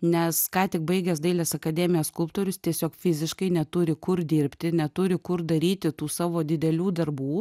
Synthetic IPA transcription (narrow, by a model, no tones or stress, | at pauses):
nʲɛskɑːt̪ʲɪk̚bɐɪɡʲɛsd̪ɐɪlʲɛsɐkɐd̪ʲæːmʲɪjɛskʊlˠp̚t̪oːɾʲʊst̪ʲiɛsʲoːkfʲɪzʲɪʃkɐɪnʲɛt̪ʊɾʲɪkʊrd̪ʲɪɾʲpʲt̪ʲɪnʲɛt̪ʊɾʲɪkʊrd̪ɐɾʲiːt̪ʲɪt̪uːsɑːʋoːd̪ʲɪd̪ʲɛlʲuːd̪ɐrbuː